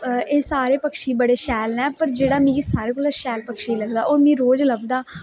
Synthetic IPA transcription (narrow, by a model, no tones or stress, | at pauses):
eːsaːɾeːpəkʃiːbəɽeːʃɛːlnɛ̃ːpəɾd͡ʒeːɽaːmĩːsaːɾeːkoːlaʃɛːlpəkʃiːləɡd̪aːʔoːɾmĩːɾoːd͡ʒləbd̪aː